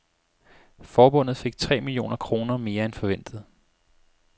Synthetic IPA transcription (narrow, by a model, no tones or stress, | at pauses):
fɒːb̥ɔ̽n̰ð̩ˠfe̝ɡ̥̚t͡sʰʁɛ̰ːmilio̝̰ːnɐkʰʁo̝ːnɐme̝ːɐenfɒ̽ʋen̰d̥ð̩ˠ